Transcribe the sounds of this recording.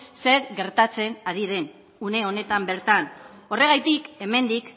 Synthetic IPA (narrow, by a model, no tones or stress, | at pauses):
seɾɣe̞ɾt̪at͡se̞naɾið̞e̞n | une̞o̞ne̞t̪ambe̞ɾt̪an | o̞re̞ɣajt̪ike̞me̞nd̪ik